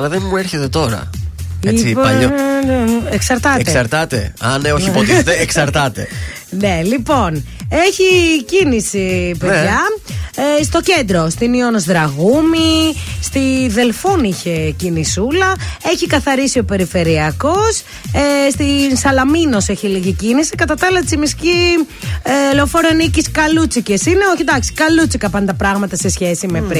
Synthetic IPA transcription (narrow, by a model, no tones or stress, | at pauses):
ɐlɐðenmueɾçet̪e̞t̪o̞ɾɐ̰eiipɐ | eksɐɾt̪ɐt̪essɐɾt̪ɐt̪ḛɐneoçipoet̪eeksɐɾt̪ɐt̪e̞̰ | ne̞lipo̞n | eçicinisipenðʝɐ | st̪o̞ce̞nd̪ɾo̞st̪inionozðɾɐɣumist̪iðe̞lfuniçe̞cinisulɐeçikɐθɐɾisio̞pe̞ɾife̞ɾiɐko̞s | est̪insɐlɐmino̞seçiliʝicinisikɐt̪ɐt̪ɐlɐt͡simisci | eleofoɾoniciskɐlut͡sicesine̞oçed̪ɐksi̥kɐlut͡sikɐpɐnd̪ɐpɾɐɣmɐt̪ɐsesçe̞simepɾi